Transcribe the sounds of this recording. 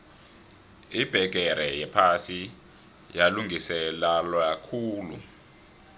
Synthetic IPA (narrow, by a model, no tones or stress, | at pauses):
ib̥ʱɛɡ̥ʱɛɾɛjɛpʰasi | jaluŋisɛlalwakʰuːlṵ